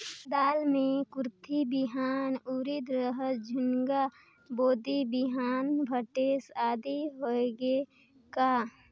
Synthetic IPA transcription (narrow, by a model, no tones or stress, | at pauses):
d̪aːlmẽkʊɾt̪ʰibɪɦaːnuɾit̪ɾəɦəd͡ʒʱɪnɡa | boːd̪ibɪɦaːnbʱəʈeːsaːd̪iɦoeɡe | ka